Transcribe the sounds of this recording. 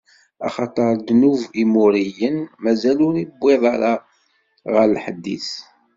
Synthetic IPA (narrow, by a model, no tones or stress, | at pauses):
ɑ̰χɑt̪ˤəɾˤd̪nuvimʊɾijənmæzælʊɾibːeðˤɑɾɑ | ʁəɾlħəd̪ːḭθ